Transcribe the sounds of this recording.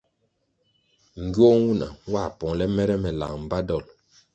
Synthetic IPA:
ŋ̩˨ɡjo˦wu˦na̰˨wa˦˨pɔ˨ŋlɛ˦mɛ˦ɾɛ˦mɛ˨la̰˨ŋm̩˨ba˦dɔ˨l

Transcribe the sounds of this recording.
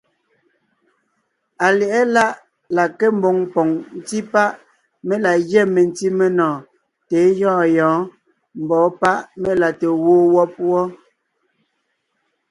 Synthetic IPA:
a˨lɛ˨ʔɛ˦la˦ʔ | la˨ke˦m̩˦bɔ˨ŋpɔ˨ŋn̩˦ti˦pa˦ʔ | me˦la˨ɣjɛ˦˨me˨n˦ti˦me˦nɔ̃ː˨ | te˨˦jɔ̃ː˦˨jɔ̃ː˨˦ | m̩˨bɔː˨˦pa˦ʔme˦la˨te˨woː˦wɔ˦pwɔ˦

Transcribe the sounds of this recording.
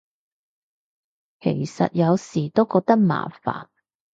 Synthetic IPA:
kʰe˨˩jsɐ̰˨t̚jɐ˨˧wsiː˨˩t̪o˥wkɔː˧k̚t̪ɐ˥k̚ma̰ː˨˩fa̰ː˨˩n

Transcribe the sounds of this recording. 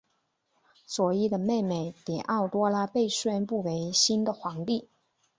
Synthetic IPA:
swɔ˨˩i˥˩d̪ə˩me˥˩ɪme˥˩ɪt̪i˨˩˦ʔɑ˥˩ʊt̪wɔ˥la˥pe˥˧ɪɕɥɛ˥npu˥˩we˧˥ɪɕi˥nd̪ə˨xwɑ˧˥ŋt̪i˥˩

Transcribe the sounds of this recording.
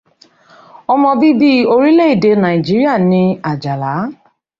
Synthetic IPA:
ɔ˦mɔ̃˧bi˦bi˦o˦ɾi˦le˦i˨de˧˦na˨i˨d͡ʒi˦ɾi˦a˦˨nĩ˧a˨d͡ʒa˨la˨˦

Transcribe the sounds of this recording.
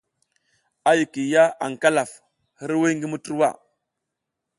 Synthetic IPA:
a˦ju˨ki˨ja˦a̰˨ŋ˨ka˦la˨f | hi˦ɾwi˦ŋɡi˦mu˦tu˦ɾwa˦˨

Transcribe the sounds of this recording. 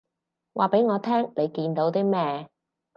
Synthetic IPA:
wʔa̰ː˨pe˨˥jŋɔː˨˧t̪ʰɛː˥ŋne˨˧jkiː˧nt̪o˨˥wt̪iː˥mɛː˥

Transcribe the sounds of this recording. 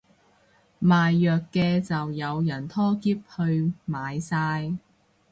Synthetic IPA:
maː˨jːœː˨kːɛː˧t͡sɐ˨wjɐ˨˧wjɐ˨˩nt̪ʰɔː˥kiː˥p̚hɵ˧ɥmaː˨jsaː˧j

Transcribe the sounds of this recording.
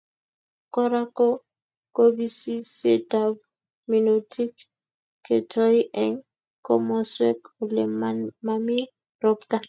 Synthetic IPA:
kɔ˦ɾa˦ko˦ | ko˦bi˦si˦se˦ta˦b | mi˨no˨tʰi˦k | kːe˨tʰɔ˦i˦ʔɛ˦ŋ | ko̰˦mɔ˦swɛ˦ko˨le˨mma˦mi˦ | ɾɔ˦kt̪a˦

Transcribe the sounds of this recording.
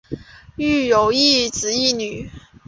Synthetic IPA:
y˥˩jo˨˥ʊi˥˧t͡sɹ̩˨˥˦i˥˩ny˨˩˦

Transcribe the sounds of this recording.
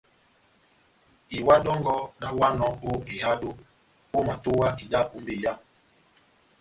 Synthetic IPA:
i˨wa˦dɔ˦ŋɡɔ˦ɗa˦wa˦nɔ˨ko˦e˨ha˦do˦ | ko˦ma˨to˦wa˦ʔi˨da˦ʔu˦mbe˨ja˦

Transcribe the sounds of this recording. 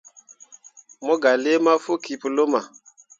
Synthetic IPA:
mɔ˦ɡa˨le˦ma˦fo˦ki˨pu˨lo˦ma˨

